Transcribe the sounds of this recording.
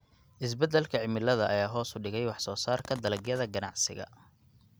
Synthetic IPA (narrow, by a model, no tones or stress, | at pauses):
ʔɪs̬bɛd̪ɛlkʰɐʕɪmɪlɐðɐʔːjaːɦɔːsʊɖɪɣɛjwɑħsɔːsaːrkʰɐd̪ɐlɐɡjɐðɐɡɐnɑ̰ʕsɪ̰ɣɐ̰